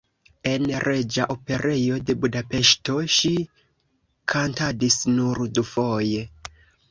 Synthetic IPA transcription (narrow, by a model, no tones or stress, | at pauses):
e̞nɾe̞d͡ʒaʔope̞ɾe̞jo̞de̞budape̞ʃto̞ʃi | kʰantadisnuɾdufo̞je̞